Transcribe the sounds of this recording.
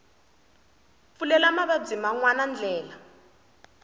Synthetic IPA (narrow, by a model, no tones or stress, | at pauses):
fulɛlamaβab͡ʐimaŋwanand͡ɮʱɛːla